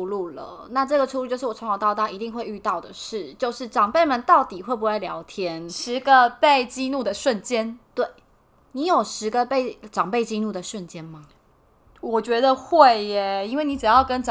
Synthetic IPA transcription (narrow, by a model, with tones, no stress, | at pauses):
u˧lu˥˩lə̰˩na˥˧ʈ͡ʂɤ˥˩ɡə˩ʈ͡ʂʰu˥lu˥˩t͡ɕo˥˧ʊʂɻ̩˥˩wɔ˨˩˧ŋ˨˩ʊt̪ɑ˥˧ʊt̪a˥˩i˧˥t̪i˥˧ŋxwe˥˧ɪy˥˧t̪ɑ˥˩ʊd̪ə˩ʂɻ̩˥˩t͡ɕjo˥˧ʊʂɻ̩˥˩ʈ͡ʂɑ˨˩ŋpe˥˩ɪmə˨˦nt̪ɑ˥˩ʊt̪i˨˩xwe˥˩ɪp̬u˧˥xa˥˩ɪljɑ˧˥ʊt̪ʰjɛ˦˥nʂɻ̩˧˥ɡə˧pe˥˩ɪt͡ɕi˥˧nu˥˩də˩ʂwə˥˨nt͡ɕjɛ˥nt̪we˥˩ɪ | ni˧˥jo˨˩ʊʂɻ̩˧˥ɡə˧pe˥˩ɪʈ͡ʂɑ˨˩ŋpe˥˩ɪt͡ɕi˥˧nu˥˩d̪ə˩ʂwə˥˨nt͡ɕjɛ˥nma˨ | wɔ˨˩t͡ɕɥɛ˧˥d̪ə˧xwe˥˨˩ɪe˨˩i˥nwe˥˩ɪni˧˥ʈ͡ʂ̩˨˩jɑ˥˩ʊkə˦nʈ͡ʂ